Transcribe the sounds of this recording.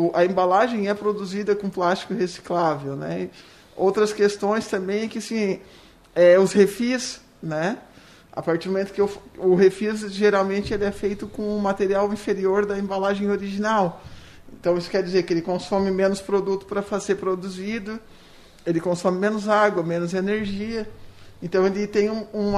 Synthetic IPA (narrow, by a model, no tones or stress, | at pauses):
ʊʔɐẽmbalaʒẽj̃ɛpɾod̪uzid̪ɐkõplast͡ʃi̥kʊhesi̥klavewnɛ̰ | owt̪ɾɐskest̪õj̃st̪ɐ̃mbẽj̃ɛkɪasĩ | ɛʊshefis | nɛ | a̰paɾt͡ʃiɾd̪mõmẽt̪ʊ̥kɪfʊɦefizʒeɾawmẽnt͡ʃɪelɪɛfejt̪ʊkõʊmat̪eɾiawĩfeɾioɾd̪ɐẽbalaʒẽj̃oɾiʒinaw | ẽnt̪ɐ̃w̃isʊ̥kɛɾd͡ʒizeɾkɪelɪkõsõmɪmẽnʊspɾod̪ut̪ʊ̥pɾɐfazeɾpɾod̪uzid̪ʊ | elɪkõsõmɪmẽnʊzaɡwɐmẽnʊzeneɾʒiɐẽnt̪ɐ̃w̃elɪt̪ẽj̃ũũ